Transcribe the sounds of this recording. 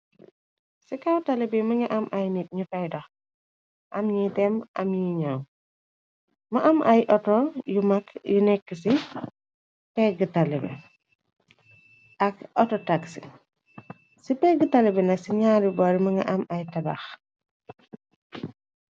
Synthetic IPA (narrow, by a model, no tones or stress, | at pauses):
sikawtalibimɐŋɐʔɐmʔɐjnit̚ɲufɐjdɐx | ʔɐmɲitɛmʔɐ̰mjiɲaw | mɐʔɐmʔɐjʔɔtɔjumɐkjunɛkːəsi | pɛɡətalibɛ̰ | ʔɐk̚ɔtɔtaksḭ | sipɛɡətalibɛnɐksiɲaːɾibɔɾimɐŋɡɐ̰ʔɐmɐjtɐba̰x